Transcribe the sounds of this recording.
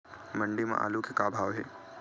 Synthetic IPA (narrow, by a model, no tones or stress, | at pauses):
mə̃ɳɖimã̰ʔa̰ːlukekaːbʱaːʋɦɛː